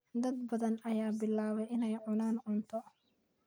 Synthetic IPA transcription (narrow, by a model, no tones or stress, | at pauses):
d̪ɐd̪̚bɐðɐnɐjaːbɪlːaːβɛʔɪnɛjʕʊnaːnʕʊnt̪ʰɔ